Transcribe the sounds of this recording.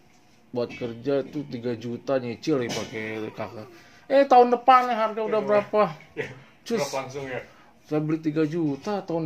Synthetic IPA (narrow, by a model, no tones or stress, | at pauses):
buat̪̚kərd͡ʒait̪ut̪iɡad͡ʒut̪aɲət͡ʃɪlɪpakekaka | ɛht̪aɦʊndəpanaɦarɡaudahbəɾapa | t͡ʃʊ | sajabəlit̪iɡad͡ʒut̪at̪aʊn